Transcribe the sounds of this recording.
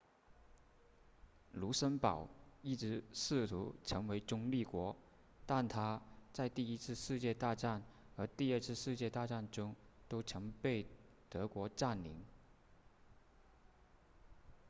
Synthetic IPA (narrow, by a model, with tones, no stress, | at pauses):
lu˧˥ʂə˥npɑ˨˩ʊi˥˩ʈ͡ʂɻ̩˧˥ʂɻ̩˥˩t̪ʰṵ˧˥ʈ͡ʂʰɤ˧˥ŋwe˧˥ɪʈ͡ʂʊ˥ŋli˥˩kwɔ˧˥ | t̪a˥˩nt̪ʰa˥t͡sa˥˧ɪt̪i˥˩˧i˥t͡sʰɹ̩˥˧ʂɻ̩˥˧t͡ɕjɛ˥˧t̪a˥˧ʈ͡ʂa˥˩n | xə˞˧˥t̪i˥˧ə˞˥˧t͡s̩ʰ˥˧ʂɻ̩˥˧t͡ɕjɛ˥˧t̪a˥˧ʈ͡ʂa˥˩nʈ͡ʂʊ˥ŋt̪o˥ʊʈ͡ʂʰɤ˧˥ŋpe˥˩ɪ | t̪ɤ˧˥kwɔ˧˥ʈ͡ʂa˥˩nli˧˥ŋ